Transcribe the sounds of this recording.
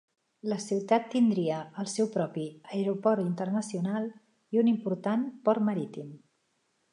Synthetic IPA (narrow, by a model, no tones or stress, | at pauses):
ləsiwt̪at̪ːind̪ɾiəəlˠsɛwpɾɔpiəeɾupɔɾint̪ərnəsiunalˠ | iunimpuɾt̪anpɔɾməɾit̪im